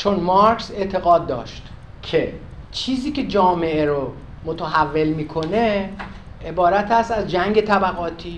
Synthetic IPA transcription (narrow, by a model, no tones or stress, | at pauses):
t͡ʃʰo̞nmɑɾkse̞ʔt̪ʰe̞ɣɒːd̪̚ːɒ̰ːʃt̪ | kʰe | t͡ʃʰiːziːkʰe̞d͡ʒɒːme̞ʔeɾo | mot̪ʰeɦævːe̞lmiːkʰo̞ne̞ | ʔebɒːɾæt̪ʰæst̪æzd͡ʒæŋɟe̞t̪ʰæbæɣɒːt̪ʰiː